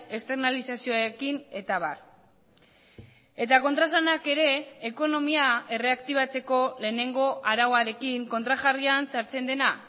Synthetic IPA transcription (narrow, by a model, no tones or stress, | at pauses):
e̞st̪e̞ɾnalisasioaɾekine̞t̪aβ̞a̰r | e̞t̪ako̞nt̪ɾas̬anake̞ɾe̞ːko̞no̞miae̞re̞akt̪iβ̞at͡se̞ko̞le̞ːne̞ŋɡo̞ʔaɾawaɾe̞kiŋko̞nt̪ɾaʝariansaɾt͡se̞nd̪e̞na